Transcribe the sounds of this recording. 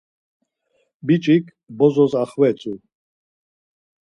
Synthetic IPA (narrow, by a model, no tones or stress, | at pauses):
bit͡ʃʼikʰʼ | bɔzɔzaχwɛt͡sʼu